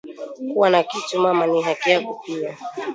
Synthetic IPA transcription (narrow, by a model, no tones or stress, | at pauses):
kuwanakitumamaniɦakiakupia